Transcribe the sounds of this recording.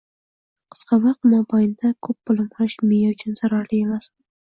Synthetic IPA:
qʰɨ̥sqʰɑvɑq̚t̪mɒbʰɑjɪnd̪akʰɵpːʊlˠɪmqʰʊɾɪʃmejaʊt͡ʃʰʊnz̥aɾɑɾlɪe̞mas

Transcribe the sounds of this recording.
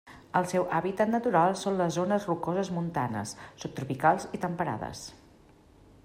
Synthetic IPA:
əlˠsɛwʔaβit̪ət̪nət̪uɾalˠsonləzːonəzrukozəzmunt̪anə̰sːup̚t̪ɾupikalˠzit̪əmpəɾa̰ðə̰s

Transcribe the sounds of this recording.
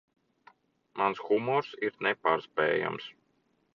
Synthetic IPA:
mansxumɔɾsiɾnepaːɾspɛ̰ːja̰ms

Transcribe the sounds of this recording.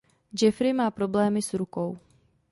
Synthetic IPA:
d͡ʒɛfɾɪmaːpɾo̞blɛːmɪsɾukow

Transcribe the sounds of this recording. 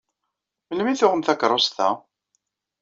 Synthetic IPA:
məlmiθʊʁəmθækɾˤost̪æ̰

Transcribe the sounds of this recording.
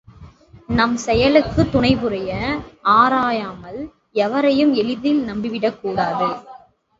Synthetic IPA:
nɐmsɛjɐlɯkːɯt̪ːʊɳɐɪbɯɾɐjɐaːɾaːjaːmɐl | ɛʋɐɾɐjɯmɛlɪðɪlnɐmbɪʋɪɽɐkːuːɽaːðɯ

